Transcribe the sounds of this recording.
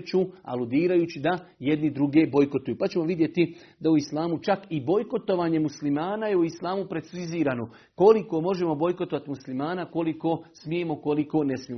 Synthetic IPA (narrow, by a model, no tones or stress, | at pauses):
t͡ɕua̰lud̪iːɾajuːt͡ɕid̪aje̞d̪nid̪ɾuɡe̞ːbo̞jko̞t̪ujuːpat͡ɕe̞mo̞ʋid̪je̞t̪i | d̪auislˠaːmut͡ʃakibo̞jko̞t̪o̞ʋaːɲe̞muslimaːnaje̞uislˠaːmupɾe̞t̪siziːɾaːno̞ | ko̞liko̞ːmo̞ʒe̞mo̞bo̞jkot̪o̞ʋat̪imuslimaːnako̞liko̞ːsmiemo̞ko̞liko̞ːne̞smije